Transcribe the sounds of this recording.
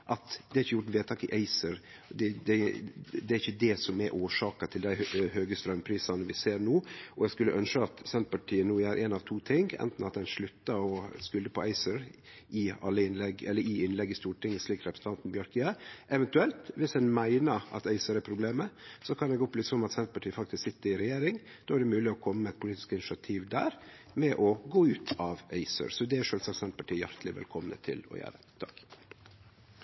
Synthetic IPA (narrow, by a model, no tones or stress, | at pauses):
ʔɑt̪d̪ɛæɾɪçəjʊʈːʋeːt̪ʰɑːkɪʔæɪsəɾ | d̪ɛd̪ɛd̪ɛæɾɪçəd̪ɛsɔmɛʔoːʂɑːkɑt̪ʰɪld̪æɪhøːɡəst̪ɾœmpʰɾiːsɑnəʋɪseːɾɳuːɔɛɡskʉlːəʔœnʂəɑt̪sɛnt̪̚pɑʈʰiːənuːæɾʔɛnɑʋt̪ʰuːt̪ʰɪŋɡɛ̰nt̪n̩ɑt̪̚d̪ɛnʂɭʉt̪ːəɾɔskʉld̪əpʰɔæɪsəɾʔɪɑ̰lːəɪnlɛɡɛlːəɾɪɪnlɛɡːɪst̪uːʈʰɪŋːəsliːkɾɛpɾsn̩t̪ɑnt̪n̩bjɑɾkiəʔɛʋɛnt̪ʉɛlt̪ʋɪsdɛnmæɪnəɾɑ̰t̪æɪsəɾæɾpʰɾʊbleːməsɔkʰɑnd̪ɛɡɔpbliːsɔmɑt̪sɛnt̪̚pɑʈʰiːfɑkt̪ɪsksɪt̪ːəɾɪɾɛjeːɾɪŋ | d̪̥oːæɖɛmʉːlɪɔkʰɔmːəməɛt̪̚pʰʊliːt̪ɪ̥skɪnɪsɪɑt̪ʰiːʋd̪æ̰ːɾ | mɛʔɔɡoːʉːt̪ʰɑʋæ̰ɪsə̰ɾsɔd̪ɛæʂøːlsɑkt̪sɛnt̪̚pɑʈʰiːjæɾt̪lɪʋɛ̰lkʰɔmnə̰t̪ʰɪ̰lɔ̰jæ̰ːɾət̪ʰɑk